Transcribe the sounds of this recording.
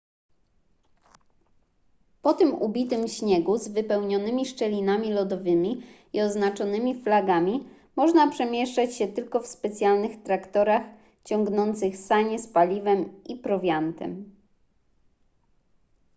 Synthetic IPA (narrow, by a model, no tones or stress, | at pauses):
pɔt̪ɘmubʲit̪ɘmɕɲɛɡuzvɘpɛwɲɔnɘmʲiʂt͡ʂɛlʲinamʲilɔd̪ɔvɘmʲi | iɔznat͡ʂɔnɘmʲiflaɡamʲi | mɔʐnapʂɛmʲjɛʂt͡ʂat͡ɕɕɛt̪ɘlkɔfspɛt̪sʲjalnɘxt̪ɾakt̪ɔɾax | t͡ɕɔŋɡnɔnt̪sɘxsaɲɛspalʲivɛmipɾɔvʲjant̪ɛ̰m